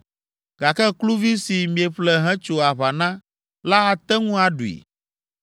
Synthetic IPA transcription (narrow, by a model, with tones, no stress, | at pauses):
ɡa˨kɛ˦klu˦vi˦si˨mĩ˨e˨ɸlɛ˦ɦɛ̃˦t͡ʃo˨a˨βa˨nã˦ | la˦a˨t̪ɛ˦ŋũ˦a˨ɖṵ˨ḭ˨